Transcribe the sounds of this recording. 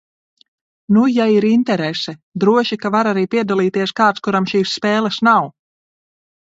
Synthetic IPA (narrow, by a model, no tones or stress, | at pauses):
nujaiɾint̪ɛɾɛsɛd̪ɾuɔʃikavaɾaɾiːpiɛd̪alˠiːt̪iɛskaːt̪skuɾamʃiːsːpɛːlˠɛsnaw